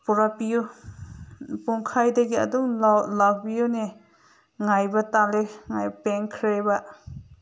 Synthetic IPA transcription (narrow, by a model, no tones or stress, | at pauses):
puɾapiju | puŋkʰajdɐɡiɐ̰duŋlawbijune | ŋajbɐtaleŋajbpeŋkʰɾebɐ